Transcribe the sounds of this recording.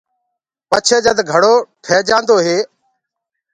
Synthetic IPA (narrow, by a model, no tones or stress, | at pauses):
pət͡ʃʰeːd͡ʒəd̪ɡʱəɽoːʈʰeːd͡ʒãːnd̪oːɦeː